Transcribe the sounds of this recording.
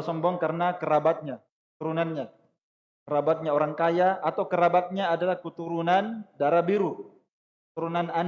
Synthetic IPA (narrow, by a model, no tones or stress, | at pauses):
sɔmbɔŋkaɾənakəɾabat̪̚ɲa | kət̪uɾunanɲa | kəɾabat̪̚ɲaoɾaŋkajaːt̪awkəɾabat̪̚ɲaːdalahkət̪uɾunandaɾabiɾu | kət̪uɾunanan